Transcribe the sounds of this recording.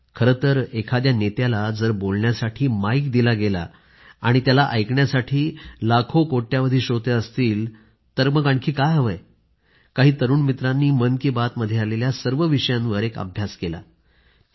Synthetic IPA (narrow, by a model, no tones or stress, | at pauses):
kʰəɾət̪əɾekʰad̪janet̪jalad͡zəɾbolɳjasaʈʰiːmaikd̪ilaɡela̰ | aɽ̃it̪jalaʔəjkɳjasaʈʰiːlakʰokoʈːjaʋəd̪ʱiːɕot̪eəst̪iːl | t̪əɾməɡaɳkʰiːkajɦəʋəj | kaɦiːt̪əɾuːnmit̪ɾanːiːmənkiːbat̪məd̪ʱːjealeljasəɾʋəʋiɕəjãnʋəɾekə̰bʱjaskela̰